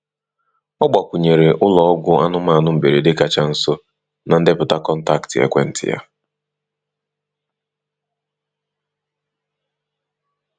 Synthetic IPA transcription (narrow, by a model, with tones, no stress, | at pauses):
ɔ˦ɡ͡ba˨kʷʊ˨ɲe˨ɾe˨ʔʊ˦lɔ˨˦ɔ˦ɡʷʊ˦a̰˦nʊ˦ma˦˨nʊ˦m̩˨be˨ɾe˨dɪ˦ka˨t͡ʃa˦n̩˦so˦ | na˨n̩˦dɪ˦pʊ˨ta˦kɔ˦n̩˦ta˨ktɪ˨ḛ˨kʷɛ̰˦n̩˦tɪ̰˨ja̰˦